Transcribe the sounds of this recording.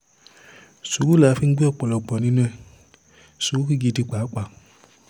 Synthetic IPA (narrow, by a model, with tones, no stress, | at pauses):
su˨˦ku˦la˨˦fi˦ɡ͡bi˦ɔ˦˨k͡pɔ˨lɔ˨ɡ͡bɔ˨nĩ˦nũ˦ɛ˦˧˨ | so˨u˦ki˦˨ɡi˧˨di˧k͡pa˨˦k͡pa˨